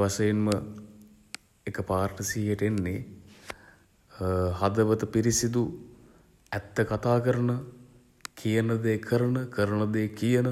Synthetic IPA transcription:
ʋasɐjinmə | ekəpaːrʈəsiːeʈenːe | had̪əʋət̪əpiɾisid̪u | æt̪ːəkat̪aːkəɾənə | kʰijənəd̪eːkʰəɾənəkʰəɾənəd̪eːkijənə

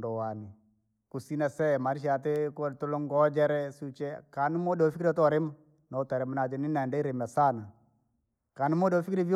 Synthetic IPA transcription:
dɔwani | kusinasɛmaɾiʃ̬at̬ekotolɔŋɡɔd͡ʒɛɾɛsut͡ʃɛkanimodɔfikiɾtɔɾem | nɔtaɾɛmnad͡ʒɛninɛndɛiɾemasana | kanimodɔfikɾiv

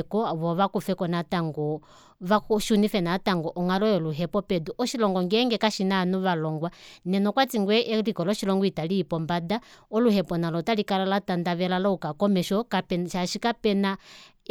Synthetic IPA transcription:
kɔβɔβakufɛkɔnataŋɡɔ | βakʃunifɛnataŋɡɔʔɔŋalɔjɔluɦɛpɔpɛduʔɔʃilɔŋɡɔŋɡɛŋɡɛkaʃinanuβalɔŋɡwanɛnɔkwat͡siŋɡwɛʔɛlikɔlɔʃilɔŋɡɔitaliːpɔmbadaɔluhɛpɔnalɔtalikalalatandaβɛlalɔukakɔmɛʃɔkapɛʃaʃikapɛna

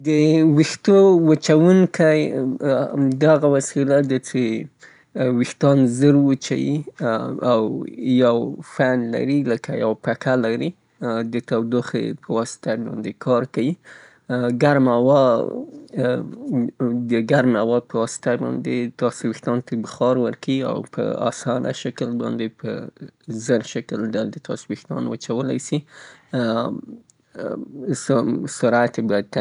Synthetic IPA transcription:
d̪əwixt̪owət͡ʃawuŋkaj | d̪aɣawasilad̪at͡ʃe | wixt̪ɑnzəɾwət͡ʃa̰wi | awjawfanla̰ɾiləkajawpakalaɾi | d̪ət̪awd̪uxḛpʰəwɑsɪ̥t̪alɑ̰nd̪ekʰɑɾkawi | ɡaɾmawɑ | d̪əɡaɾmawɑpəwɑsɪ̥t̪abɑ̰nd̪et̪ɑsbixt̪ɑnt̪abəxɑɾwəɾkaia̰wpʰə̰a̰sɑnʔa̰ʃakəlbɑ̰nd̪epʰə̰zəɾʃakldald̪ət̪ʰɑ̰sbixt̪ɑ̰nwət͡ʃawəlajsi | ssaɾɑat̪ebɑjad̪̚t̪a

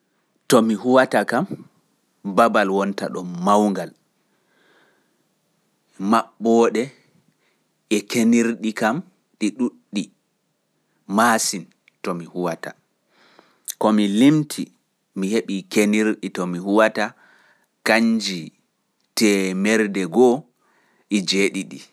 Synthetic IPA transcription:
tɔmihuwatakam | babalwɔnta̰ɗɔmmawŋɡal | maɓːɔɗɛ | ʔɛkeniɾɗikam | ɗiɗuɗːi | maːsin | tɔmihuwata̰ | kɔmilimtʰi | miheɓikeniɾɗitɔmihuwata | kaɲd͡ʒi | tɛmɛɾdɛɡɔ | ʔid͡ʒeɗiɗi

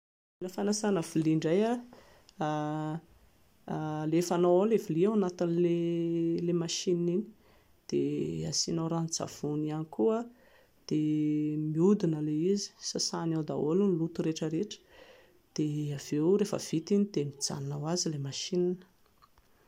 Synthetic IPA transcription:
iləfanasanəviliɳɖ͡ʐaja | lefanawaleviliawanat̪inlelemaʃininini̥ | d̪̥ea̰sinaɾand͡za̰v̥unianikuə | d̪̥emiud̪inəleizi̥sasanawd̪a̰olunilut̪uɾeʈ͡ʂəɾeʈ͡ʂə̥ | d̪̥eav̥ewɾefə̰v̥it̪inid̪̥emid͡za̰nnawazilemaʃininə̥

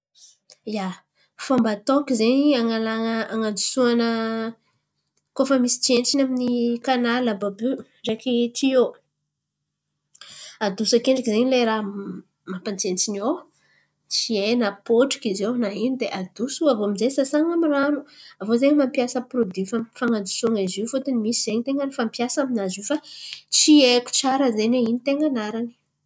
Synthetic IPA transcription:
ja | fambat̪okizeniaŋalaŋəaŋand͡zu̥suanə | kofəmisi̥t͡sient͡sinaminikanalababy | rekit̪ʰio | ad̪usakeɳɖ͡ʐakizeɲileɾa | mapant͡sent͡sinow | t͡sienəpoʈ͡ʂi̥kizewnaɦinid̪eʔad̪̥usuavomizesasaŋamiranuavozeɲmampiasəprod̪ifamfaŋad͡zu̥soŋizifut̪unimisiz̥eɲt̪eŋɡanifampjasaminazifat͡sieku̥t͡saɾəzeneinit̪eŋɡanaɾani̥

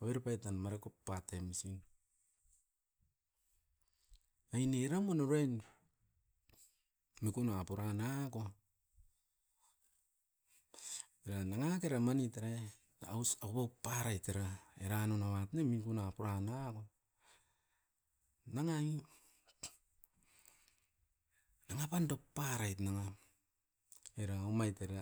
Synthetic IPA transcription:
aβeɾpajtanmaɾekopːatemisin | ajneɾamonoɾejn | mikunapuɾanako | eɾanaŋakeɾamanitaɾe | awsakopapːaɾajteɾaeɾanonaβatnemikunapuɾanako | naŋai | naŋapandopːaɾajtnaŋa | eɾaomajteɾa

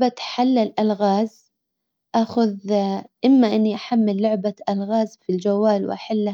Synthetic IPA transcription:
bat̪ħalːalʔalɣaːz | ʔaxʊðʔɪmːaʔɪnːiʔaħamːɪlːʊʕbaʔalɣaːzfild͡ʒawːaːlwɪ̰ʔaħalː

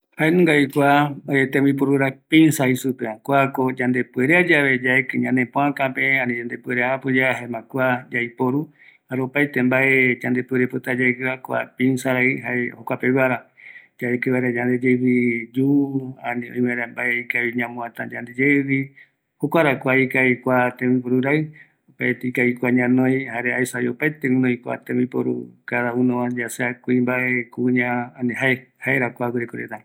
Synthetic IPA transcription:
haenũŋɡaikʷaet̪ẽmĩpoɾuɾapĩnsaisupeakʷakod͡ʒand̪epueɾead͡ʒaβed͡ʒaekɨɲãnẽpõãkãpeãnĩd͡ʒand̪epweɾeapɨd͡ʒaɦaemãkʷad͡ʒaipoɾu | haɾopajt̪ẽmbaed͡ʒand̪epeɾepɨt̪ad͡ʒaekɨakʷa̰pĩnsaɾaiɦaehokʷapeβaɾad͡ʒaekɨβaɾad͡ʒand̪ed͡ʒeβid͡ʒuãnĩõj̃maẽɾambaeikaβiɲãmõãt̪ãd͡ʒand̪ed͡ʒeβi | hokʷaɾakʷaikaikʷat̪ẽmĩpoɾuɾaɨ | opaet̪eikaikʷaɲãnõj̃haɾeaisajopaet̪eũnõĩkʷa̰t̪ẽmbĩpo̰ɾṵkaðaũnõãd͡ʒaseakʷuĩmbaʔekuɲãanĩɦaehaeɾakʷawiɾekoɾḛt̪a

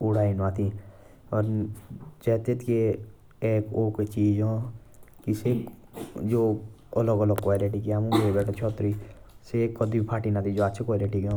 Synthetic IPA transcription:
ʊɽaːinaːt̪ʰiː | ɔːɾ | d͡ʒɛːt̪eːt̪ke | eːkoːket͡ʃiːd͡ʒõːkise | d͡ʒoː | ələɡələɡkoːiɾeːʈiːkiaːmũɡeːbɛːʈʰot͡ʃʰɔːt̪ɾiː | sekəd̪iːbipʰaːʈinaːt̪id͡ʒoːətːt͡ʃʰekoːjɾeːʈiːkːõː

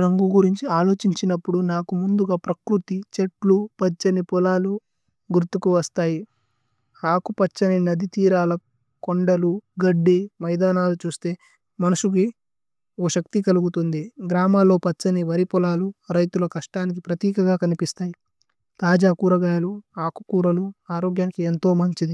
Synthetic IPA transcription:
ɾɐŋɡuɡuɾiɲt͡ʃiaːlo̞ːt͡ʃiɲt͡ʃinɐpːuɽunaːkumund̪uɡaːpɾɐkɾut̪it͡ʃeʈlupɐt͡ʃːɐnipɔlaːlu | ɡuɾt̪ukuʋɐst̪aːji | haːkupɐt͡ʃːɐninɐd̪it̪iːɾaːlɐ | koɳɖɐluɡɐɖːimɐjd̪aːnaːlut͡ʃuːst̪e̞ː | mɐnuʂuki | oːʃɐk̚t̪ikɐluɡut̪und̪iɡɾaːmaːlːo̞ːpɐt͡ʃːɐniʋɐɾipɔlaːluɾɐjt̪ulɐkɐʂʈaːnik̬ipɾɐt̪iːkɐɡaːkɐnipist̪aːji | t̪aːd͡ʒaːkuːɾɐɡaːjɐluaːkukuːɾɐluaːɾoːɡjaːnikient̪o̞ːmɐɲt͡ʃid̪i

